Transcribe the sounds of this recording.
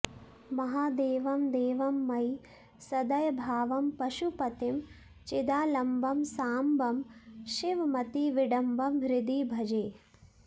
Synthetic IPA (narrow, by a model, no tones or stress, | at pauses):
mɐɦaːd̪eːʋɐmd̪eːʋɐmːɐj | sɐd̪ɐjɐbʱaːʋɐmpɐʃupɐt̪im | t͡ʃɪd̪aːlɐmbɐmsaːmbʱɐmʃiʋmɐt̪iʋiɖɐmbɐmɦɾɪd̪ibʱɐd͡ʒeː